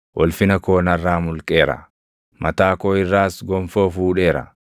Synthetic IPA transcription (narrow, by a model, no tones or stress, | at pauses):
wʔɔlfɪnɐkoːnɐrːaːmʊlkʼe̞ːɾɐ̰ | mʔɐt̪aːkoːɪrːaːsɡɔmfoːfuːᶑe̞ːɾɐ̰